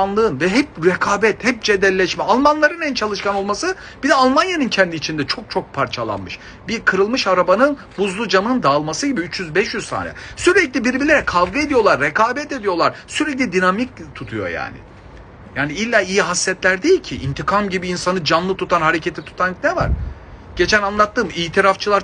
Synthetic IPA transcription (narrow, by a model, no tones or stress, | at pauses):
anlˠɯɯnvɛɦɛp̚ɾɛkʰaːbɛt̪hɛp̚d͡ʒed̪ɛlʲːɛʃmɛalˠmanlˠaɾɯnænt͡ʃʰalˠɯʃkʰano̞lˠmasɯ | b̥id̪ɛalˠmanjanɯncʰɛnd̪iːt͡ʃʰind̪ɛt͡ʃʰo̞k̚t͡ʃʰo̞k̚pʰaɾt͡ʃʰalˠa̰nmɯʃ | biɾkʰɯɾɯlˠmɯʃaɾabanɯn | buzlˠud͡ʒamɯnɯnd̪aːlˠmasɯɟibiyt͡ʃjyzbɛʃjyzsʰa̰ːnɛ̰syɾɛclʲibiɾbilʲeɾɛkʰalˠɡɯe̞d̪ijo̞lˠaɾːɛkaːbɛt̪e̞d̪ijo̞lˠaɾsyɾɛc̬lʲid̪inamic̚t̪ʰut̪ʰujo̰ja̰ːnɪ̰ | jaːniilʲːaːijiɦasːɛt̪lʲæɾd̪ejilʲcʰiʔint̪ʰikʰamɟibiːnsanɯd͡ʒanlˠɯt̪ʰut̪ʰanɦaɾecʰet̪ʰit̪ʰu̥t̪ʰanknɛva̰ɾ̥ | ɟ̥e̞t͡ʃʰænanlˠat̪ːɯːmiːt̪ʰiɾaft͡ʃʰɯlˠaɾ